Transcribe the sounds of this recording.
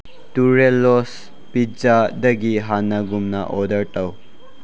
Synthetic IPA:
tuɾelos | pid͡ʒadɐɡiɦanaɡumnaʔɔdɐɾtaw

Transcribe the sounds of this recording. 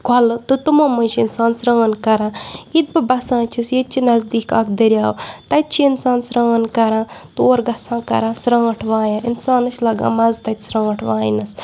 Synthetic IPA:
kʰɐlɨt̪ɨt̪umɐmɐʃinsaːnsɾaːnkɐɾãːit̪̚bɨbɐsãːt͡ʃʰisjet̪̚t͡ʃʰinɐzd̪iːka̰kd̪ɐɾʲjaːwt̪ɐt̪̚t͡ʃʰiinsãːnsɾaːnkɐɾãːt̪ɨoːɾɡɐsãːkɐ̰ɾãːsɾãːʈʰʋãːjaːinsaːnɨʃlɐɡa̰ːmɐzt̪ɐt̪ʲsɾãːʈʰʋãːj̰nɐs

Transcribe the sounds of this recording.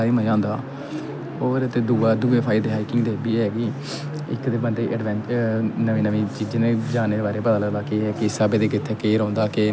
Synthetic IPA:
aːɾiːməãːnd̪aː | oːɾət̪eːd̪uːaːd̪uːeːpʰaːɪd̪eːɦaːikɪŋɡd̪eːbiːɦɛːɡiː | ɪkd̪eːbəɳɖeːʔəɖʋɛ̃ːnt͡ʃnəʋĩːnəʋĩːt͡ʃiːd͡ʒneːd͡ʒaːneːd̪eːbaːɾeːpəd̪aːləɡlaːkeɦɛːkɪsaːbeːd̪eːk̬ɪt̪ʰːeːkeːɾõːnd̪aːkeː

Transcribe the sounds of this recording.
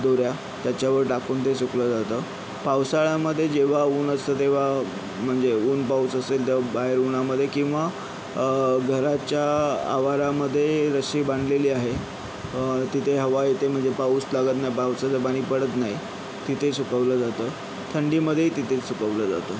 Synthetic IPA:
d̪oɾja | t̪jat͡ɕjaʋəɾʈakuːnt̪esukləd͡zat̪əː | pawsaɭaməd̪ʱːjed͡ʑeʋ̤auːnəst̪ət̪̬eʋ̤a | m̤əɳd͡zeuːnpaut͡səselt̪əbaɦeɾunaməd̪ʱːjekĩw̃ʋa | ɡʱəɾat͡ɕjaa̰ʋaɾaməd̪ʱːjeɾəsiːbaɳɖleliːaɦe | t̪it̪ʰeɦəʋajet̪em̤əɳd͡zepaut͡slaɡət̪naɦjpawt͡sət͡səpaɽ̃iːpəɽət̪nai | t̪it̪ʰesukəʋləd͡zat̪əː | t̪ʰəɳɖiməd̪ʱːjeit̪it̪ʰet͡ssukəʋləd͡za̰t̪əː

